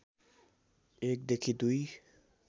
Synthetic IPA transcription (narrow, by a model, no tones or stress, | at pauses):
ek̚d̪ekʰid̪uj